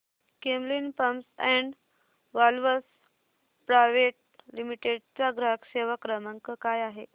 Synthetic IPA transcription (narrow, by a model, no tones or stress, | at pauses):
kemlinpəmsɛ̃ɳɖ | ʋalʋəs | pɾajʋeʈ̚limiʈeɖt͡saɡɾəɦəkseʋakɾəməŋkəkajaɦe